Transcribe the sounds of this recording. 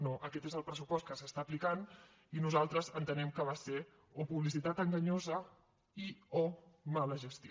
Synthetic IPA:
noʔəkɛt̪ezəlˠpɾəsupɔst̪kəsəst̪aːplikan | inuzalˠt̪ɾəzənt̪ənɛmkəβ̞ase | opuβlis̬it̪at̪əŋɡəɲozə | iomaləʒəst̪io

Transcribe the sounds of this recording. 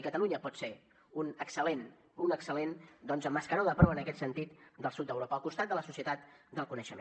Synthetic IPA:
ikət̪əluɲəpɔt̪se | unəksəlen | unəksəlend̪ɔnzəmːəskəɾoðəpɾɔwənəkɛt̪sənt̪it̪d̪əlˠsut̪̚d̪əwɾopəlˠkust̪at̪̚d̪ələsusiət̪at̪d̪əlˠkunəʃəmḛ

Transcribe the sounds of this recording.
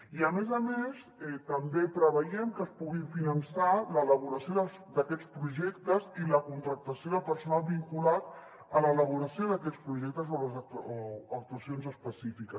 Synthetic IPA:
iəmezəmes | ɛt̪əmbepɾəβ̞əjɛmkəspuɣiɱfinənsalələβ̞uɾəsjoðəsd̪əkɛt͡spɾuʒɛkt̪əziləkunt̪ɾək̚t̪əsjoðəlpəɾsunalˠβiŋkulat | ələːləβ̞uɾəsjoðəkɛtt͡spɾuʒɛk̚t̪əz̬oəzoək̚t̪uəsionzəspəsifikə

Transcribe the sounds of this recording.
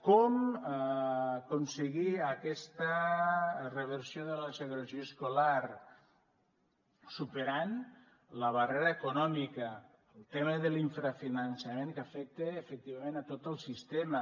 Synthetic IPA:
kɔm | konsəɣiəkɛst̪ə | reβəɾsjoðələseɣolozioskolaɾ | supeɾan | ləβ̞areɾaekunɔmikə | əlˠt̪eməðəliɱfɾafinənsameŋkafɛk̚t̪eːfək̚t̪iβamẽnat̪ot̪əlˠsist̪emə

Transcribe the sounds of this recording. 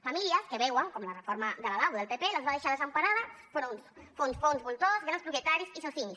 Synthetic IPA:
familiəskəβɛwəŋkɔmlərəfoɾmad̪əlalawðəlˠpepeləzβaðeʃaðəzəmpaɾaðəfɾonsfonsfonzβulˠt̪ozɣɾanspɾupjet̪aɾisisaθiɲs

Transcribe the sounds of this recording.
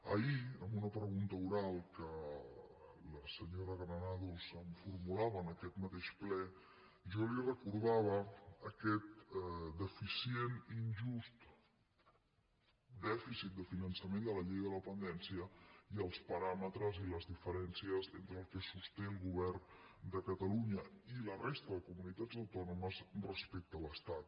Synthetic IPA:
ə̰iəmbunəpɾəɣunt̪əuɾalˠkə | ləsəɲoɾəɣɾənaðusəɱfurmulaβəːnəkɛt̪mət̪eʃplɛ | ʒɔlirəkuɾð̞aβəːkɛt̪d̪əfisieninʒust̪ | d̪ɛfisit̪̚d̪əfinənsəmend̪ələʎejððələpənd̪ɛnsiəiəlˠspəɾamət̪ɾəziləzðifəɾɛnsiəzḛnt̪ɾəːlˠkəsust̪ɛlˠɣuβ̞ɛrn | d̪əkət̪əluɲəilərest̪əðəkumunit̪ad͡zəwt̪ɔnuməzrəspek̚t̪ələst̪at̪

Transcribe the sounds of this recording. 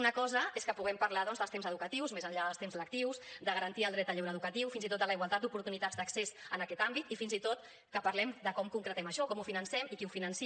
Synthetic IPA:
unəkɔzəeskəpuɣɛmpəɾlaðɔnzðəlˠst̪emzəðukət̪iwzmezəɲʎaðəlˠst̪emzələk̚t̪iwsd̪əɣəɾənt̪iəlˠd̪ɾɛt̪əʎɛwɾəːðukət̪iwfinzit̪ot̪d̪ələiɣwalˠt̪at̪̚d̪upuɾt̪unit̪ad͡zd̪əksesənəkɛt̪ambit̪ifinzit̪ot̪ | kəpəɾlɛmd̪əkɔmkuŋkɾət̪ɛməʃɔkɔmufinənsɛmikiufinənsi

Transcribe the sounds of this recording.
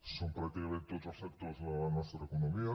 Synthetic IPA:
sompɾakt̪ikament̪eot̪saspek̚t̪ozalanwest̪ɾaekonomia

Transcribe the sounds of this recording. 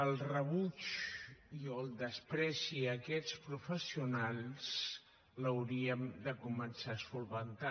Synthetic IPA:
əlˠrəβut͡ʃ | iolˠd̪əspɾɛsiəkɛt͡spɾufəsiunalˠs | ləwɾiəmd̪əkumənsasulˠβənt̪a

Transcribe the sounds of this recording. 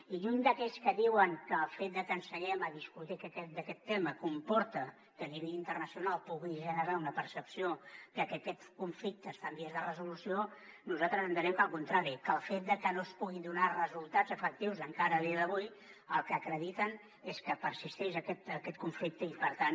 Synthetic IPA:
iʎund̪əkɛskəðiwəŋkəːlˠfet̪̚d̪əkənsəɲɛməðiskut̪ikɛkɛd̪əkɛt̪ːɛməkumpɔɾt̪ə | kəliβeʎint̪ərnəsiunalˠpuɣiʒənəɾaunəpəɾsəpsiok̪əkəkɛt̪kuɱflik̚t̪əst̪ambiezðərəzulusionuzat̪ɾəzənd̪iɾɛmkəlˠkunt̪ɾaɾikəlˠfet̪̚d̪əkənospuɣid̪unarəzulˠt̪azəfək̚t̪iwzəŋkaɾəðiəðəβuj | əlˠkəːkɾəðit̪ən | eskəpəɾsist̪ɛʃəkɛt̪əkɛt̪̚kuɱflik̚t̪əipəɾt̪an

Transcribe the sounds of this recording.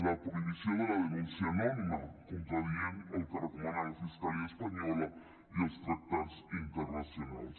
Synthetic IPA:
lapoiβisjond̪elaðenũnsjanomimakont̪ɾaðjenont̪aɾakomanaɾafiskaliaespaɲɔla | iost̪ɾak̚t̪aɾsint̪eɾnasjona̰ls

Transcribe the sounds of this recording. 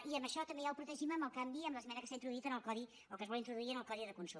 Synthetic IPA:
iəmbəʃɔt̪əmbejauwpɾut̪əʒiməməlˠkambiəmbləzmɛnəkəsaint̪ɾuðuit̪ənəlˠkɔði | olˠkəzβɔlˠint̪ɾuðuiənəlˠkɔðiðəkunsu

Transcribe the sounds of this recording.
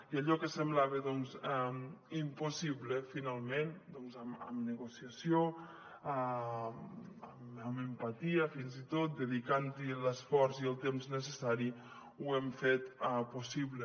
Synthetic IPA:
iəʎɔkəsəmblaβəðɔnzɛimpusiβləfinalˠmend̪ɔnzəmə̰mnəɣusiəsjo | a | əməməmpat̪iəfinzit̪ot̪̚d̪əðikant̪iləsfɔɾziəlˠt̪emznəs̬əsaɾi | uɛmfet̪pusiβlə

